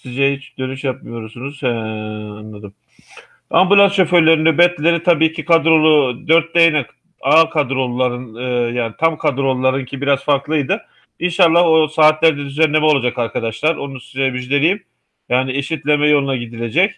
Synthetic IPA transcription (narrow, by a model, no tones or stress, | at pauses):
sizɛɦit͡ʃd̪ø̞nyʃjapmɯjo̞ɾusunuz̥ɛanlːˠad̪ɯm | ambulˠanʃo̞føɾlʲe̞ɾinɛbɛt̪lʲeɾit̪ʰabiːcʰikʰad̪ɾo̞lˠud̪øɾt̪̚d̪ejnak | aːkʰad̪ɾo̞lˠːaɾɯnɯːjaːnit̪ʰamkʰad̪ɾo̞lˠːaɾɯncʰibiɾazfaɾklˠɯjd̪ɯ | inʃalˠːahosaːt̪lʲæɾd̪ɛd̪yzænːʲe̞mɛolˠad͡ʒakaɾkʰad̪aʃlˠaɾo̞nusizɛbid͡ʒlʲeɾijim | jaːnieʃit̪lʲe̞mɛjo̞lˠunaɟid̪ilʲe̞d͡ʒɛc